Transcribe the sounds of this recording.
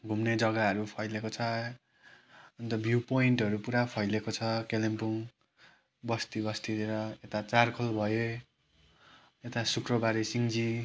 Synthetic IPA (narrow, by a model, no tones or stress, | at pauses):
ɡʱumned͡zʌɡaɦʌɾupʰʌjlekot͡sʰʌ | ʌnt̪ʌbʱjupoiɳʈɦʌɾupuɾapʰʌjlekot͡sʰʌkelempuŋ | bʌst̪ibʌst̪ieɾʌet̪at͡sarkʰʌlbʱʌjo | et̪asukrʌbaɾisiŋd͡zi